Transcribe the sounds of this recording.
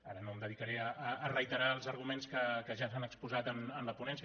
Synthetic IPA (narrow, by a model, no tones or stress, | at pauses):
aɾənoəmd̪əðikəɾeəːrəjt̪əɾaəlˠzəɾɣumenskəkəʒasanəkspuzat̪ənənləpunɛnsiə